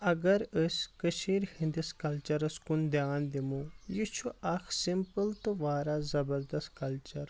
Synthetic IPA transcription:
ɐɡɐɾəskəʃʰiːɾhĩnd̪ɐskɐlt͡ʃɐɾɐskʊnd̪jaːnd̪imujit͡ʃʰuʔɐkʰsɪmpəlt̪uʋaːɾazɐbəɾd̪ɐst̪kɐlt͡ʃɐɾ

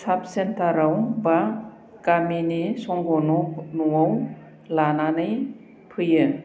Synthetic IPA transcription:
sap̚sentaɾawba | kaminisɔŋɡɔnɔnuwaw | lananɯj | pʰɯjɯ

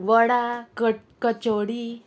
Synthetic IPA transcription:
ʋəɽakə | kət͡ɕoɽi

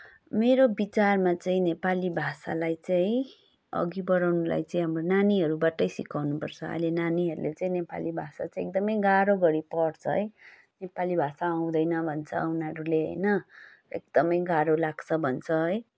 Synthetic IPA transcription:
meɾobit͡sarmat͡saĩnepalibʱasa̰lajt͡saĩ | ʌ̰ɡibʌɾawnula̰jt͡sãĩɦamronaniɦʌɾubaʈʌjsikawnupʌrt͡sʰʌ̰a̰jlenaniɦʌɾulet͡saĩnepa̰libʱasa̰t͡saĩek̚d̪ʌmʌjɡaɾoɡʌɾipʌrt͡sʰʌ̰ɦʌj | nepalibʱasaːw̃d̪ʌjnʌbʱʌnt͡sʰʌ̰aunaʌɾuleɦʌ̰jnʌ | ḛk̚d̪̥ʌmʌjɡaɾolaɡt͡sʰʌbʱʌnt͡sʰʌɦʌj

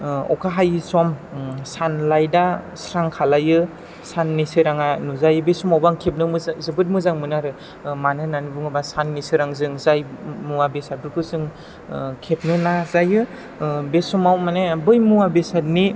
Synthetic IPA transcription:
ɔ̰kʰaɦajsɔmsanlajda | sɾaŋkʰalajɯ | sanːisɯɾaŋanuzajɯbesumawbaŋkʰep̬̚nɯmɯzɯbɯt̬̚mɯzaŋmɯnaɾɯ | manɯnanibuŋɯbasanːisɯɾaŋzɯŋzajmuabesabɯɾkʰɯzɯŋ | kʰep̚nɯnazajɯ | besumawmanebɯjmuabesat̚ni

